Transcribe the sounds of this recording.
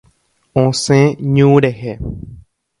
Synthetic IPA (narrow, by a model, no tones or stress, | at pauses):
õsẽɲũɾeɦe